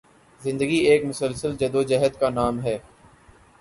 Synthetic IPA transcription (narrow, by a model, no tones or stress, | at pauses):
zɪ̃nd̪əɡieːkmʊsəlsəld͡ʒɐd̪oːd͡ʒɛɦəd̪kanaːmɦɛː